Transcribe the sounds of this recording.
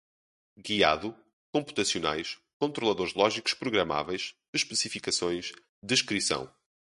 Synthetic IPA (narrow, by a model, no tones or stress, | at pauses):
ɣia̰ðu | kõmpu̥t̪ɐsiuna̰jʃ | kõnt̪ɾulˠɐðoɾʒlˠɔʒiku̥ʃpɾuɣɾɐma̰vɛjʃ | ɨʃpɨsifikɐsõj̃ʃ | d̪ɨʃkɾisɐ̰̃w̃